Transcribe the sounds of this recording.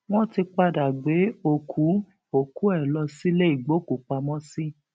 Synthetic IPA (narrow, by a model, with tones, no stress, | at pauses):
w̃ɔ̃˦ti˧k͡pa˧da˨ɡ͡be˨˦o˧kʰu˨˦ | o˨ku˨˦ɛ˦˨lɔ˧si˦le˦i˨ɡ͡bo˨˦ku˨k͡pa˧mɔ̃˦si˦